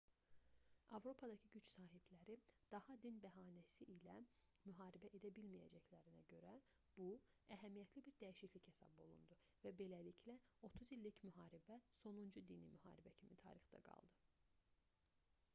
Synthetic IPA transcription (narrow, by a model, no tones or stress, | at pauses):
ɑvɾo̞pʰɑd̪ɑcʰiɟyt͡ʃsɑːɦiblæɾid̪̥ɑhɑd̪inbæɦɑːnæsiʔilæmyɦɑːɾibæʔe̞d̪æbilmijæ̰d͡ʒæclæɾinæɟø̞ɾæ | b̥u | æɦæmijæt̪ʰlibiɾd̪æjiʃicliche̞sɑ̰bo̞̰lˠṵnd̪u | væbe̞lælicʰlæo̞t̪ʰuzilːicmyɦɑːɾibæso̞nund͡ʒud̪inḭmyhɑ̰ːɾibæcʰimit̪ʰɑ̰ːɾixd̪ɑ̰ɡɑ̰lˠd̪ɯ